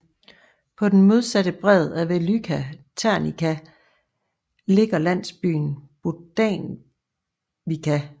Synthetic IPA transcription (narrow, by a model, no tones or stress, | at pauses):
pʰɒ̽d̥en̩mo̝ðˠsæd̥əb̥ʁɛð̞ˠæʋelykʰæt͡sʰæɐnikʰæ | le̝ɡ̥ɐlæn̰sb̥y̰ːnb̥ud̥ɛ̰n | ʋikʰæ